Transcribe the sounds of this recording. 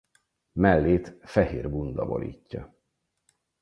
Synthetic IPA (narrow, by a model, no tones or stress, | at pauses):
mɛlːeːt̪fɛheːrbund̪ɒbo̰lḭːcːɒ